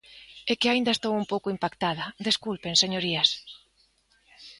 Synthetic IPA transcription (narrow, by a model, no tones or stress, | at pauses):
ekɪaĩnd̪ɐest̪owumpowkoimpakt̪aðɐd̪eskulpenseɲoɾias